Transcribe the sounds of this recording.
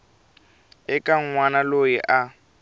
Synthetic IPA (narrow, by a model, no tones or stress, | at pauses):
ɛkʼaŋ̩ŋwanalojiʔa